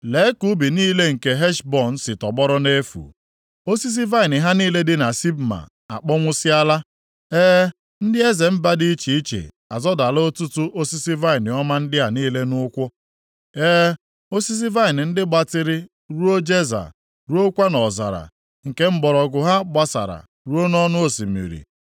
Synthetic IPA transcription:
le˨˦ku˦bi˨niː˦le˦ŋ̩˨ke˨ɦɛ˦ʃbɔ˨n̩˦sɪ˨tɔ˨bɔ˦ɾɔ˦ne˦fṵ˨ | o˦si˦s̬i˦va˦ɪ˨nɪ˨ɦa˦niː˦le˦dɪ˦na˨si˦bma̰˨ | a̰˨k͡pɔ˦ŋʷʊ˦sɪ˦a˦la˦ | eː˦ | n̩˦dɪ˦e˦ze˨m̩˦ba˦di˦i˦t͡ʃi˨i˦t͡ʃḛ˨ | a˨zɔ˦da˨lo˦o˦tu˦tʊ˦ʔo˦si˦si˦va˦i˨nɪ˨ɔ˦ma˦n̩˦dɪ˦ɦa˨niː˦le˦nʊ˦kʷʊ˦ | eː˦ | o˦si˦s̬i˦va˦i˨nɪ˨n̩˦dɪ˦ɡ͡ba˦tɪ˦ɾɪ˦ | ɾu˦o˦d͡ʒe˦za̰˨ | ɾu˦o˦kʷa˦nɔ˨za̰˨ɾa̰˨ | ŋ̩˨ke˦m̩˦bɔ˨ɾɔ˨ɡʊ˨ɦa˦ɡ͡ba˦sa̰˨ɾa̰˨ | ɾu˦o˦nɔ˦nʊ˦o˨si˨mḭ˨ɾḭ˨

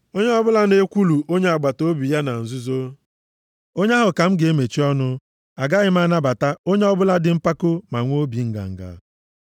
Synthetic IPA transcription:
o˦ɲe˦ɔ˦bʊ˦la˦ne˦kʷu˦lu˨ʔo˦ɲe˦a˨ɡ͡ba˨to˦bi˨ja˦na˨n̩˨zu˦zo˦ | o˦ɲa˦ɦʊ˨ka˨m̩˦ɡe˨˦me˨t͡ʃi˦ɔ˦nʊ˦ | a˨ɡa˦ɣɪ˦m˦a˦˨na˦ba˨ta˦o˦ɲe˦ɔ˦bʊ˦la˦dɪ˨m̩˦pa˦ko˦ma˨ŋʷo˦bi˨ŋ̩˦ɡa̰˨ŋ̩˨ɡa̰˨

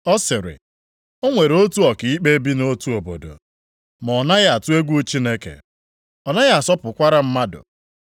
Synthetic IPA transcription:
ɔ˦sɪ˨ɾɪ̰˨ | o˦ŋʷe˨ɾo˦tu˦ɔ˨kɪ˨i˦k͡pe˦bi˦no˦tu˦o˨bo̰˨do̰˨ | mɔ˨na˦ɣa˨tu˦e˦ɡʷu˦t͡ʃi˦ne˦kḛ˨ | ɔ˨na˦ɣa˨sɔ˦pʊ˨kʷa˦ɾa˦m̩˦ma˦dʊ̰˨

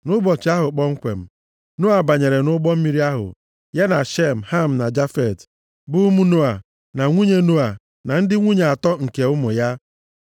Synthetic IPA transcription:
nʊ˦bɔ˨t͡ʃi˨a˦ɦʊ˨k͡pɔ˦ŋ̩˦kʷḛ˨m̩˨ | nu˦a˨ba˨ɲe˨ɾe˨nʊ˦ɡ͡bɔ˦m̩˦mi˦ɾi˦a˦ɦʊ̰˨ | ja˦na˨ʃe˦m̩˨ha˦m̩˨na˨d͡ʒa˦fe˨t | bʊ˦mu˦nu˦a˨ | na˨ŋʷu˦ɲe˦nu˦a˨ | na˨n̩˦dɪ˦ŋʷu˦ɲe˨a˨tɔ˦ŋ̩˨ke˨ʊ˦mʊ˨ja˦

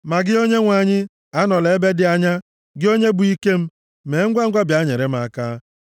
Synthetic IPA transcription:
ma˨ɡɪ˦o˦ɲe˦ŋʷa˨ɲɪ˦ | a˦nɔ˨le˨˦be˦dɪ˨a˨ɲa˦ | ɡɪ˦o˦ɲe˦bu˨i˦ke˦m̩˦ | me˨˦ŋ̩˦ɡʷa˦ŋ̩˦ɡʷa˦bja˦ɲe˨ɾe˦m̩˦a˨kaː˦

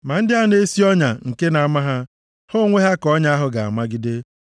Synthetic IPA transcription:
ma˨n̩˦dɪ˦a˦ne˦si˦ɔ˦ɲa˨ŋ̩˨ke˦na˨a˨ma˦ɦa˦ | ho˦ŋʷe˦ɦa˦kɔ˦ɲa˦a˦ɦʊ˨ɡa˨a̰˨ma˦ɡɪ˦de˦

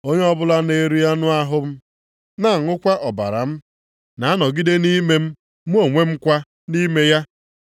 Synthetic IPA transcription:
o˦ɲe˦ɔ˦bʊ˦la˦ne˨ɾu˦ja˦nʊ˦a˦ɦʊ˦m̩˦ | na˦˨ŋʊ˦kʷa˦ʔɔ˨ba̰˨ɾa̰˨m̩˦ | na˨˦a˦nɔ˨ɡi˦de˦ni˦me˦m̩˦ | mu˦o˨ŋʷe˦m̩˦kʷa˦ | ni˦me˦ja˦

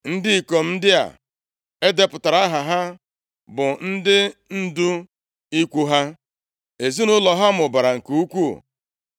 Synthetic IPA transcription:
n̩˦dɪ˦i˨ko˨m̩˦dɪ˦a̰˨ | e˦de˦pʊ˨ta˨ɾa˦ɦa˨ɦa˦ | bʊ˨n̩˦dɪ˦n̩˦du˦ | i˦kʷu˦ɦa˦ | e˨zi˦nʊ˦lɔ˨ɦa˦m̩ʊ˨ba˨ɾa˨ŋ̩˨ku˨u˦kʷṵ˦˨

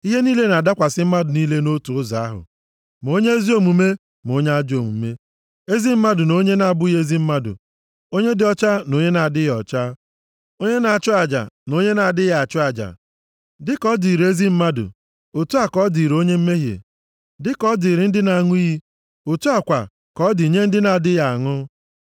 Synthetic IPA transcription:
i˦ɦe˦niː˦le˦na˨da˦kʷa˨sɪ˦m̩˦ma˦dʊ˨niː˦le˦no˦tu˨ʊ˦za̰˨a˦ɦʊ̰˨ | m˨o˦ɲe˦e˦zi˦o˨mu˨me˦ | m˨o˦ɲe˦a˦d͡ʒo˨mṵ˨˦me˦ | e˦zi˦m̩˦ma˦dʊ˨no˦ɲe˦na˨a˨bʊ˦i˦ɦe˦zi˦m̩˦ma˦dʊ̰˨ | o˦ɲe˦dɪ˦ɔ˦t͡ʃa˦no˦ɲe˦na˨dɪ˦jɔ̰˨t͡ʃa˦ | o˦ɲe˦na˨a˨t͡ʃʊ˦a˨d͡ʒa̰˨no˦ɲe˦na˨a˨dɪ˦ja˨a˨t͡ʃʊ˦a˨d͡ʒa̰˨ | dɪ˦kɔ˦di˨ɾe˦zi˦m̩˦ma˦dʊ̰˨ | o˨tu˦a˨kɔ˦di˨ɾo˦ɲe˦m̩˦me˦ɦjḛ˨ | dɪ˦kɔ˦di˨ɾɪ˨n̩˦dɪ˦na˨a˨ŋʊ˦i˦i˦ | o˨tu˦a˨kʷa̰˨ | kɔ˦dɪ˨ɲe˦n̩˦dɪ˦na˨dɪ˦ja˨a˨ŋʊ˦

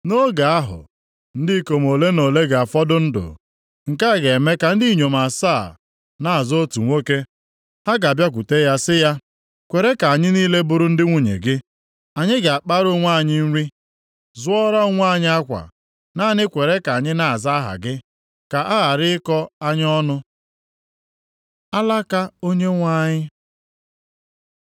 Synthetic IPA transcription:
no˦ɡa˨a˦ɦʊ̰˨ | n̩˦dɪ˦˨ko˨m˨o˨le˦no˨le˦ɡa˨a˨fɔ˦dʊ˦n̩˦dʊ̰˨ | ŋ̩˨ka˦˨ɡe˨me˦ka˨n̩˦di˦ɲo˨m˨a˨saː˦˨ | na˦˨a˨zo˦tu˨ŋʷo˦ke˦ | ha˦ɡa˨bja˦k̬ʷu˨te˦ja˦sɪ˦ja˦ | kʷe˨ɾe˦ka˨a˨ɲɪ˦niː˦le˦bʊ˦ɾʊ˦n̩˦dɪ˦ŋʷu˦ɲḛ˨ɡɪ˦ | a˨ɲɪ˦ɡa˨k͡pa˦ɾo˦ŋʷa˦˨ɲɪ˦n̩˦ɾi˦ | zʊ˦ɔ˦ɾa˦o˦ŋʷ˦a˦˨ɲɪ˦a˦kʷa̰˨ | naː˦˨nɪ˦kʷe˨ɾe˦ka˨ɲɪ˦na˦˨a˨za˦ɦa̰˨ɡɪ˦ | ka˨ʔa˦a˨ɾɪ˦ɪ˦kɔ˦a˦ɲ˦ɔ˦nʊ˦ | a˦la˦ka˦o˦ɲe˦ŋʷa˦ɲɪ˦

